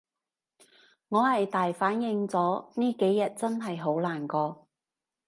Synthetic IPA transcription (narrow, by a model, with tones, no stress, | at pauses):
ŋɔː˨˧hɐ˨jt̪aː˨jfaː˨˥njɪ˨˧ŋt͡sɔː˨˥niː˥ke˨˥jːɐ˨t̚t͡sɐ˥nɦɐ˨jɦo˨˥wlaː˨˩nkɔː˧